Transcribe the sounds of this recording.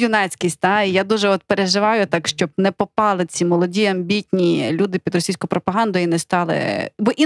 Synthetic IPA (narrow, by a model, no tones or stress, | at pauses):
jʊnɛt͡sʲkʲisʲt̚ʲt̪ɑijad̪uʒɛɔt̪̚peɾeʒɪʋɑjʊt̪ɑkʃt͡ʃɔb̚nɛpɔpɑlˠɪt͡sʲimɔlˠɔdʲiɐmbʲitʲnʲilʲud̪ɪpʲid̪rɔsʲijsʲkʊpɾɔpɐɦɑnd̪ɔjinɛst̪ɑlˠɪ̰bɔʔi